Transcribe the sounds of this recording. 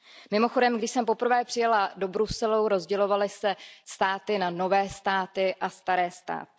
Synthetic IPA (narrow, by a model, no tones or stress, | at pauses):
mɪmo̞xo̞dɛmɡdɪʃsɛmpo̞pr̩vɛːpr̝̥ɪjɛlado̞bɾusɛluɾo̞zɟɛlo̞valɪsɛst̪aːt̪ɪnano̞vɛːst̪aːt̪ɪʔast̪aɾɛːst̪a̰ːt̪ɪ